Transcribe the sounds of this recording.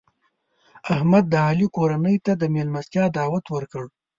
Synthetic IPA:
ahmad̪ːəhɑlikoɾanəjt̪ad̪əmelmast̪jɑd̪ɑːwat̪wəɾkəɽ

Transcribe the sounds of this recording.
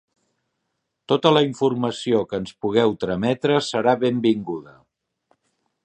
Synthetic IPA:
t̪ot̪ələiɱfuɾməsiokənspuɣ̞ɛwt̪ɾəmɛt̪ɾəsəɾaβembiŋɡuðə

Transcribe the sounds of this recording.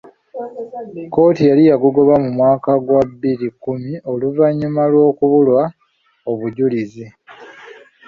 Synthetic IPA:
ko̞ːtijalijaɡuɡo̞βamumwaːkaɡwabːiɾikumio̞luvaɲːumalwo̞ːkuβulwa | oβuɟulizi

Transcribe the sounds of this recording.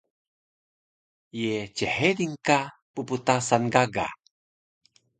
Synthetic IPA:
jet͡ʃehediŋka | puput̪asanɡaɡa̰

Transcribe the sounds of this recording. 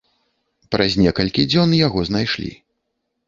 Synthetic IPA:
pɾʔɐzʲnʲɛkɐlʲkʲid͡zʲɔnjaɣɔznajʂlʲḭ

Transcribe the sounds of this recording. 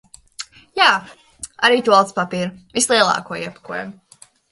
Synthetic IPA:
jaː | aɾiːt̪ualˠt̪spapiːɾvislˠiɛlˠɑ̰ːkuɔiɛpḁkuɔja̰m

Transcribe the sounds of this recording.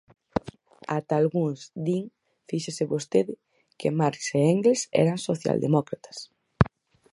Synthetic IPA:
at̪alɣuŋzd̪iŋ | fiʃesɪβost̪eðɪ | kemaɾseeŋɡlesɛ̰ɾansoθja̰ld̪emɔkɾat̪ɐ̥s

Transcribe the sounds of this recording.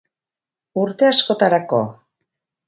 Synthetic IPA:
uɾt̪e̞asko̞t̪aɾako̞̰

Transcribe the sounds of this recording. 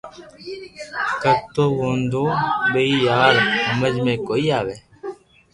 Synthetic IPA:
kət̪oːʋoːnd̪oːɓəiːjaːɾɦəməd͡ʒmẽːkoːiːaːʋeː

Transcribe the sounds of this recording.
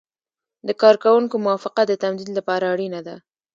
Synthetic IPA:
d̪əkɑɾkawuŋkomʊwɑfɪqad̪ət̪amd̪id̪lapɑɾaːɽinad̪a

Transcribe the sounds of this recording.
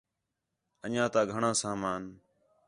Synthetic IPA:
əɲãːt̪ãːɡʱəɳãːsaːmaːn

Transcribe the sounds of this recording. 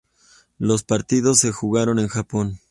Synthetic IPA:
lo̞spaɾt̪iðo̞sːe̞xuɣaɾo̞ne̞nxapo̞n

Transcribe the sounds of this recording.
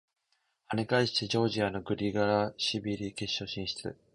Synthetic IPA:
haɲʲikaiɕi̥t̪e̞d͡ʑo̞ːʑiano̞ɡɯ̟ɾʲiɡaɾaɕibʲiɾʲike̞ɕːo̞ɕĩɰ̃ɕi̥t͡sɨ̰

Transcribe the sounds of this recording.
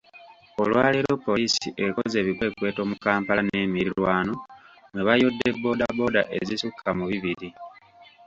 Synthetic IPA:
o̞lwaːleɾo̞pːo̞liːsḭʔe̞ko̞ze̞ːβikwe̞ːkwe̞ːto̞ːmukaːmpalaneːmiɾilwaːno̞neβajo̞dːe̞bːo̞ːdabo̞ːda̰ʔḛzisukʰːamuβiβiɾi

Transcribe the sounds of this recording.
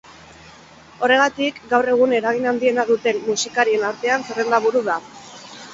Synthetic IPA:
o̞re̞ɣat̪ikɡawre̞ɣ̞une̞ɾaɣ̞inand̪ie̞naðut̪e̞mːusikaɾie̞naɾt̪e̞anserend̪aβuɾuða

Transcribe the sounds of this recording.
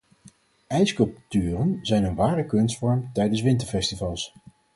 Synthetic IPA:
ɛjskɵlˠp̚tyːrənzɛjnənʋaːɾəkɵnstfɔɹmtɛjdəns̬ʋɪntəɹfɛstivɑlˠs

